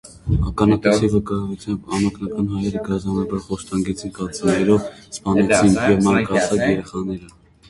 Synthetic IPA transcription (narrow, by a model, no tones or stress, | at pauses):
ɑkɑnɑkut͡sʰivəkɑjvut͡sʰjɑmbɑnɔknɑkɑnɦɑjɛɾəɡɑzɑnɑbɑɾχɔst̪ɑŋɡɛt͡sʰinkɑt͡sinɛɾɔvspɑnɛt͡sʰinjɛvmɑɾkɑt͡sʰɑt͡sjɛɾɛχɑnɛɾə